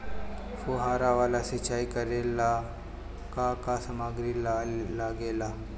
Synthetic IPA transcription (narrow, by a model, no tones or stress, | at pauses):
foɦaːɾaʋaːlasɪt͡ʃaːikəɾela | kakasəmaːɡɾillaɡeːlaː